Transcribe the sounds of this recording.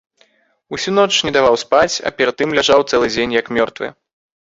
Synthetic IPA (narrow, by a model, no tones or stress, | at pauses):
usʲunɔt͡ʂnʲɛd̪avawspat͡sʲɐ̰pʲɛɾɐd̪̚ːɨmlʲaʐawt̪sɛlˠɨd͡zʲenʲjɐkmʲɔrt̪vɨ̰